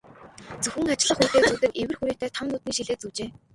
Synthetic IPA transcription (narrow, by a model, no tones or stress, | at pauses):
t͡sɵxɘ̆ŋat͡ɕɪ̆ɮə̆χuːt̪eːt͡suːt̪ɘ̆kewɘ̆rxuɾiːt̪ʰæːt̪ʰamnʊːt̪niːŋʃiɮeːt͡suːt͡ɕeː